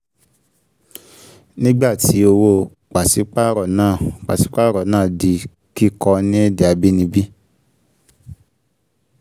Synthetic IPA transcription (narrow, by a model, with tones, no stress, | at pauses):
nĩ˦ɡ͡ba˦˨tʰi˨˦o˧wo˧ | k͡pa˨si˨˦k͡pa˦ɾɔ˨nãː˦˨k͡pa̰˨si˨˦k͡pa˦ɾɔ˨nãː˦˨di˨˧˦ | ki˦kɔ˧nĩ˦e˦de˦˨a˧bi˦nĩ˧bi˦